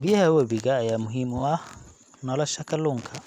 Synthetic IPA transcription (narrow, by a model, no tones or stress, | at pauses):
bɪjɛhɐwɐbiɣɐːjaːmʊɦimʊɐh | nɔlɔʃɐkʰɐlʊŋkʰɐ